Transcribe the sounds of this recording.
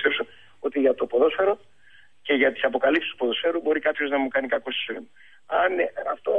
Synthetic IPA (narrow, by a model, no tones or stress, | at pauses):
st̪epsu | o̞t̪iʝɐt̪o̞po̞ðo̞sfe̞ɾo | ce̞ʝɐt̪i̥sɐpo̞kɐlipsist̪u̥poðo̞sfe̞ɾubo̞ɾikɐpço̞znɐmukɐnikɐko̞so̥soḭmɐ | ɐnɐft̪o̞